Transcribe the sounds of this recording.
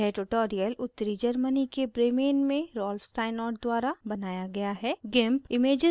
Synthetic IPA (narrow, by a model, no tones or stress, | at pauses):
ɛʈoʈɔːɾijəlʊt̪ːəɾid͡ʒɐɾmənikebɾeːmeːnmẽɾɔːlfsʈaːɪnɔːɾʈ̚d̪waːɾabɐnaːjaɡɐjaɦɛːɡɛ̃ːmpɪmeːd͡ʒə